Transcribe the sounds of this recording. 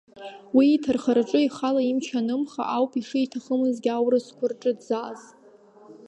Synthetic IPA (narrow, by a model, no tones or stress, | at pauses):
wiːtʰɨrχarʈ͡ʂʼɨiχalaimt͡ʃʰanɨmχa̰ʔawpʼiʂɨitʰaχəmɨzɡʲawrɨskʷʰʊrʈ͡ʂʼɨdzaz